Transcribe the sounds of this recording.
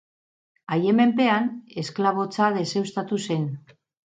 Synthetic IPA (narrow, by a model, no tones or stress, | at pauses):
ajeme̞mpe̞ane̞sklaβ̞o̞t͡saðe̞se̞wst̪at̪use̞n